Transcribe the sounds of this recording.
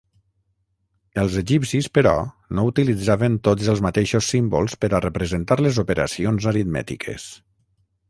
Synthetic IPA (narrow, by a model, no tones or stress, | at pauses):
əlˠzəʒipsispəɾɔ̰ | nout̪ilid͡zaβənt̪ozəlˠzmət̪eʃosːimbolˠspəɾərəpɾəzənt̪aɾlezupəɾʔə̰sionzəɾit̪mɛ̰t̪ḭkʰḛs